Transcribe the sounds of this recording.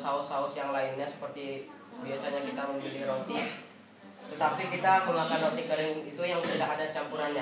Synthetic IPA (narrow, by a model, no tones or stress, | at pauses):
saʊsaʊsjaŋlaɪnɲasə̥pərt̪i | biasaɲakit̪aməmbuliɾot̪i | t̪ət̪apikit̪aməmakanoksikəɾɪŋit̪ujaŋsədaɦadat͡ʃampuɾanɲa